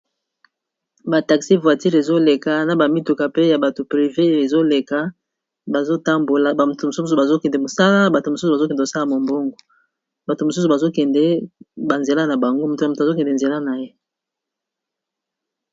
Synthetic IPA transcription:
ba˨ta˨ksi˦vwa˨ti˦ʁe˨zo˦le˨ka˨na˨ba˨mi˦tu˨ka˨pe˦ja˨ba˨to˨pʁi˨ve˦e˨zo˦le˨ka˦ | ba˨zo˦ta˦mbo˨la˨ba˨m˨to˨mo˨su˦s̬u˨ba˨zo˦kɛ˨ndɛ˨mo˨sa˦la˦ba˨to˨mo˨su˦su˨ba˨zo˦kɛ˨ndo˨sa˦la˦˨mo˨mbo˦ŋɡo˨ | ba˨to˨mo˨su˦s̬u˨ba˨zo˦kɛ˨ndɛ˦ba˨nze˨la˦na˨ba˨ŋɡo˦mo˨to˨na˨mo˨to˨a˨zo˦kɛ˨ndɛ˨nze˨la˦na˨je˦

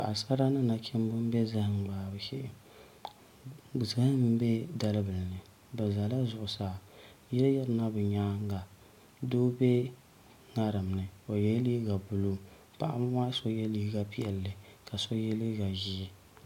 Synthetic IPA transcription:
ʔa˨sa˦ɾa˦nɨ˦na˨t͡ʃɛ˦m˦bɨ˦m˦bɛ˦za˦hɨ˨ŋ˨ɡ͡baː˨bɨ˨ʃɛ˦ʔɪ˨ | bɨ˨zɨ˨ɡa˦m˦m˦bɛ˦da˦lɨ˦bɨ˨lnɨ˨ | bɛ˨za˨la˦zʊ˨ʔʊ˨saː˨ | jɛ˦lɨ˦jɛ˦ɾɨ˨˦na˦bɨ˨ɲaː˦ŋ˦ɡa˨ | doː˦bɛ˦ | ŋa˦ɾɨ˨m˨nɨ˨o˨jɛ˦li˦ɡa˨bʊ˨lo˦ | pa̰˨ʔa̰˦m˦ma˦so˦jɛ˦li˦ɡa˨pi˦ɛ˨lːɨ˨ka˨so˦jɛ˦li˦ɡa˨ʒi˦

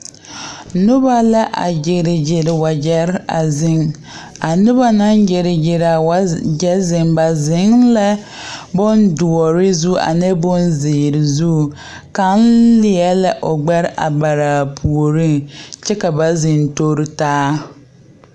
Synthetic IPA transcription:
nʊ˦ba˦la˦ʔa̰˨d͡ʒɪ˨ɾɪ˨d͡ʒɪ˨ɾwa˨d͡ʒɛ˦ɾa̰˨zɪ˦ŋ | a˨nʊ˦ba˦na˦ŋd͡ʒɪ˨ɾɪ˨d͡ʒɪ˨ɾa˨wa˨˦d͡ʒɛ˦zɪ˨ŋba˨zɪ˨˦ŋla˦ | bʊ˦ndu˨ɔ˨ɾɪ˦zu˦a̰˨nɛ˦bʊ˦nzɪ˨ɾɪ˨zu˦˨ | ka˦nlɪ˨˦ɛ˦lɛ˦ʔo˨ɡ͡bɛ˦ɾʔa̰˨ba˨ɾa˨pʰu˨o˨ɾi˦ŋt͡ʃɛ˦ka˨ba˨zɪ˨nto˦ɾɪ˦taː˦

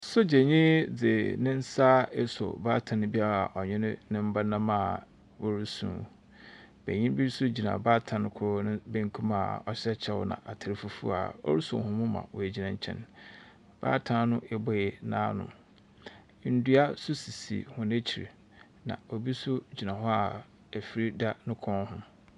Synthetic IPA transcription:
sʊ˦d͡ʑe˨ɲĩ˦d͡zɪ˨nɪ̃˦n̩˦saː˦e˦sʊ̰˨baː˦tʰã˨nɪ̃˦bi˦a˦ɾa˨a˨ʔɔ˨ɲɛ̃˦n˦nɪ̃˦m̩˦ba˦nã˦mã˦˨ | wo˦ɾu˦sṵ̃˨ | bḛ˨ɲĩ˦bi˦ɾsʊ˦d͡ʑi˨nã̰˨baː˦tʰã˨n˦kʰʊ˦nɪ̃˦be˦ŋ˦kʰũ˦ma˨ɔ˦ɕɛ˦t͡ɕʰɛ˦wʊ̰˦nã̰˨ʔa˨tʰɪ˨ɾɪ˨fu˨fṵ˦a̰˨ɔ̰˦ɾu˦sṵ̃˨hʊ̃˨mũ˦mã̰˨wɔ˨ɛ˨d͡ʑi˨nã˨ɲ˨t͡ɕʰɛ̰̃˦n | b̥a̰ː˦tʰã˨˦nʊ̃˦ʔɛ˨bɔ˨ɛ˨nã̰ː˦nʊ̰̃˨˦˨ | n̩˦du˦a˦sʊ˦si˨sḭ˨hʊ̃˨n˦e˦t͡ɕʰi˨ɾḭ˨ | nã̰˨o˨bi˦sʊ˦d͡ʑi˨nã˨ɦɔ˦a˨ | æ˨fi˨ɾi˦da˦nʊ̃˦kʰɔ̃˦n˦hʊ̃˦

